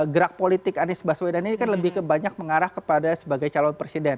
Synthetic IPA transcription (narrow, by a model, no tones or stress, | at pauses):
ɡəɾak̚polit̪ɪkanɪsbaswedaninikanləbɪhkəbaɲak̚məŋaɾahkəpadasəbaɡajt͡ʃalɔnpɾesidɛn